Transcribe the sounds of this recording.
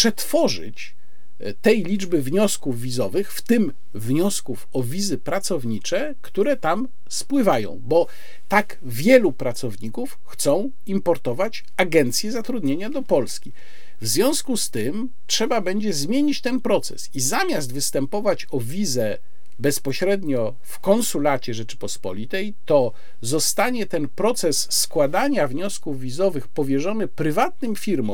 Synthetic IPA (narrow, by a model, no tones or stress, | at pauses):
pʂɛt̪fɔʐɘ̰t͡ɕ | t̪ɛjlʲid͡ʐbɘvɲɔskuvːʲizɔvɘxft̪ɘm | vɲɔskufɔvʲizɘpɾat̪sɔvɲit͡ʂɛ | kt̪uɾɛt̪am | spwɘvajɔ̰̃w̃bɔ | t̪aɡ | vʲjɛlupɾat̪sɔvɲikufxt̪sɔ̃w̃ | impɔɾt̪ɔvat͡ɕ | aɡɛnt̪sʲjɛzat̪ɾud̪ɲeɲad̪ɔpɔlskʲi | vzvʲjɔ̃w̃skust̪ɘm | tʂɛbabɛɲd͡ʑɛzmʲjeɲit͡ɕt̪ɛnpɾɔt̪sɛ̰sizamʲjazd̪vɘst̪ɛmpɔvat͡ɕɔvʲizɛ | bɛspɔɕɾɛd̪ɲɔ | fkɔnsulat͡ɕɛʐɛt͡ʂɘ̥pɔspɔ̰lʲit̪ɛjt̪ɔ | zɔst̪aɲɛt̪ɛnpɾɔt̪sɛsːkwad̪aɲavɲɔskuvːʲizɔvɘxpɔvʲjɛʐɔnɘpɾɘvat̪nɘmfʲiɾmɔ̰̃w